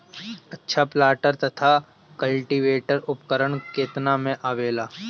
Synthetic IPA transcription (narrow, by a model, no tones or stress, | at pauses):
ɐtːʃʰaplaːʈəɾt̪ɐt̪ʰa | kɐlʈiʋeːʈəɾʊpkəɾəɳkeːt̪namẽʔaːʋeːlaː